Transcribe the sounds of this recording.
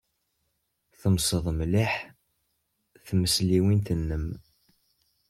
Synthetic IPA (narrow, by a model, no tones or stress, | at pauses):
θəmsˤəðˤmliħ | θməsliwint̪ənːəm